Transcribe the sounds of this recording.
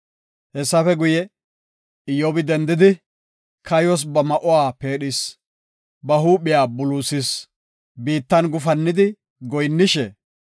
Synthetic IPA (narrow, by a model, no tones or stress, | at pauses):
hɛsːɐfɛɡʊjɛ | ɪjobɪd̪ɛnd̪ɪd̪ɪ | kʰɐjɔs̬bɐmɐʔɔwaːpe̞ːɗɪs | bɐɦuːɓɪjaːbʊluːsɪs | biːt̪ːɐnɡʊfɐnːɪd̪ɪ | ɡɔjnːɪʃɛ